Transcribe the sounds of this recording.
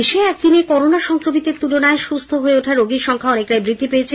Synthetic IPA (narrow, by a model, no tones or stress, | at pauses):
eʃeɛk̚d̪inekɔɾonaʃɔŋkɾomit̪eɾt̪ulonaeʃust̪ʰoɦoeoʈʰaɾoɡiɾʃɔŋkʰaɔnek̚ʈajbɾid̪ʱːipejet͡ɕʰe